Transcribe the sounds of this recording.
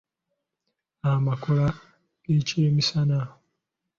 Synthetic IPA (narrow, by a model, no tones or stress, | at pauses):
amakola | ɡ̥eceːmisana